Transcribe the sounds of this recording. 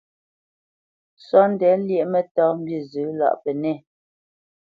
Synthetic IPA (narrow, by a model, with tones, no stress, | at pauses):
swa˦n̩˦dɛ˨˦ljɛ˦˨ʔmɛ˨tɔ˦m̩˦bji˨zʉ˨˦la̰˦˨ʔpɛ˨nɛ˦˨